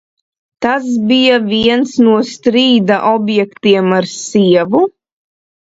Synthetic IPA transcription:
t̪asbijaviɛnsnuɔst̪ɾiːd̪aʔɔbjɛkt̪iɛmaɾsiɛvu

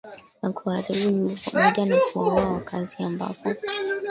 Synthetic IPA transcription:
nakʰuaɾiɓuɲupamɔʄanakuwaawakʰaziamba̰pɔ

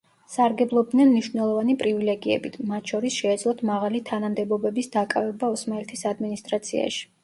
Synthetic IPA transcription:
saɾɡɛblˠɔb̚d̪nɛnmniʃwvnɛlˠɔvanipʼɾivilɛɡiɛ̰bit̪ʰmat̪ʰʃɔɾisʃɛːd̪zlˠɔt̪ʰmaʁalit̪ʰanamd̪ɛbɔbɛbisd̪akʼavɛbaɔsmaɛlt̪ʰisad̪minist̪ʼɾat̪sʰḭa̰ʃi̥

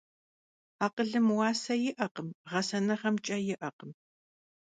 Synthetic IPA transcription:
aːqəɮɨmwɑːsɐjɪʔɐqəmʁɐsɐnɐχɐmt͡ʃʼɐjɪʔɐqəm

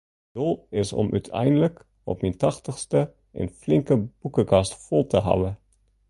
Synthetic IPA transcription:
dolˠɪsɔ̰mʔœ̰tʰɛ̰jndələk | ɔ̰p̚mintɑχtəxstə | ʔə̰nflɪŋkəb̥ukəkɑstfolˠtəɦɑ̰wə

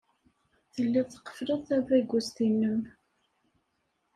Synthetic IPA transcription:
θəlːɪðθə̥qːə̥fləðˤθævæɡʷust̪inːəm

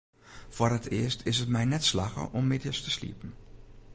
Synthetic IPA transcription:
forətʰɪəstʰɪsətmɛjnɛtslaxə̰ʔɔmːɪtjəstəslḭpn̩

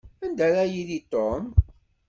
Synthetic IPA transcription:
ænd̪æɾæjiðit̪om

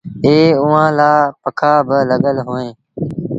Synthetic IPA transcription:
eːʊʋãːlaːpəkʰaːbɪləɠəlɦoːẽː

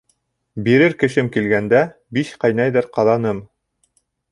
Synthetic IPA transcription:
biɾɘɾkɘ̆ʃɘmkilɡænd̪æ | biʃqɑjnɑjðɤɾqɑðɑnɤm

